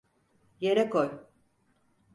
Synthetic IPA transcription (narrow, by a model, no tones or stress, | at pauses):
jeɾɛkʰoj